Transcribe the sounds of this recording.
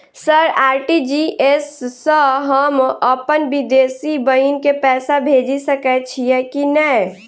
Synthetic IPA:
səɾaːɾʈid͡ʒiʔesːəɦəməpənbid̪esibəinkepɛːsabʱed͡ʒisəkɛt͡ʃʰijɛkinɛ

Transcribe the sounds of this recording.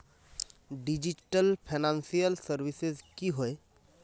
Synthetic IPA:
ɖid͡ʒiʈəlpʰenansijəlsəɾʋisezkiɦoe

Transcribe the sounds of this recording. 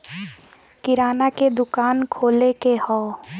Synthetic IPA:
kɪɾaːnaked̪ʊkaːnkʰoːlekehɔː

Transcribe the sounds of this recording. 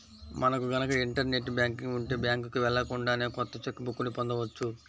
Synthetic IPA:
mɐnɐkuɡɐnɐkɐiɳʈɐɾne̞ʈːbjaːŋkiŋɡuɳʈeːbjaːŋkukiʋɛɭːɐkuɳɖaːneːkɔt̪ːɐt͡ʃokːubʱukːunipond̪ɐʋɐt͡ʃːu

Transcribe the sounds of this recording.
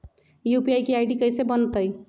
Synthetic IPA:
jupiajkiajɖikəjsebənt̪əj

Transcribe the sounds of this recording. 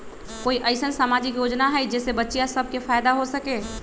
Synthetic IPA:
koːiʔəɪsənsamaːd͡ʒɪkjoːd͡ʒnaɦɛd͡ʒɛːsebətːʃijasəb̚kefaːɪd̪aɦosəkeː

